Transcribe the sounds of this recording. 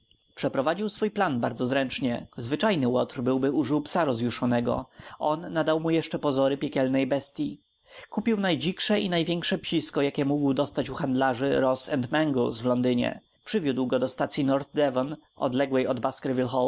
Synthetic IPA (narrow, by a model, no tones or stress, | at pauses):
pʂɛpɾɔvad͡ʑiwsfujplanbaɾd̪zɔzɾɛnt͡ʂɲɛzvɘt͡ʂajnɘwɔt̪ɾbɘwbɘuʐɘwpsaɾɔzjuʂɔnɛɡɔ̰ʔɔnːad̪awmujɛʂt͡ʂɛpɔzɔɾɘpʲjɛkʲɛlnɛjbɛst̪ʲji | kupʲiwnajd͡ʑikʂɛinajvʲjɛŋkʂɛpɕiskɔjakʲɛmuɡwɘd̪ɔst̪at͡ɕuxand̪laʐɘ̰ɾɔsɛnt̪mɛŋɡɔlsvlɔnd̪ɘɲɛ̰ | pʂɘvʲjud̪wɡɔd̪ɔst̪at̪sʲjinɔɾt̪̚d̪ɛvɔn | ɔ̰d̪lɛɡwɛjɔd̪baskɾvʲilxɔl